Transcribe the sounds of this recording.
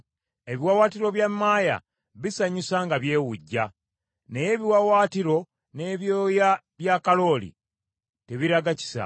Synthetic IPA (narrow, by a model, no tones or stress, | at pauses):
e̞βiwawaːtiɾo̞βjamːaːja̰ | βisaɲusaŋɡaβje̞ːwuɟːa | neje̞ːβiwawaːtiɾo̞ | ne̞ːβjoːja | βjaːkalo̞ːlḭ | te̞βiɾaɡaci̥sa̰